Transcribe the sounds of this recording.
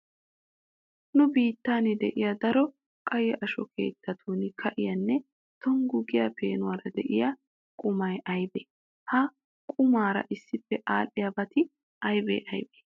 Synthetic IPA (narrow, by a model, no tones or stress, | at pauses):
nʊbiːt̪ːaːnɪd̪ɛ̰ʔɪjɐd̪ɐɾɔ | kʼɐjɛʔɐʃɔkʰe̞̰ːt̪ʰːɐt̪ʰuːnɪkʰɐʔɪjɐnːɛ | t̪ɔŋɡʊɡɪjɐpḛːnʊwaːɾɐd̪ɛʔɪjɐ | kʼʊmɐjʔɐjbe | hɐ | kʼʊmaːɾɐ̰ʔɪsːɪpːɛʔaːlːɪjɐbɐt̪ɪ | ʔɐjbḛːʔɐjbe̥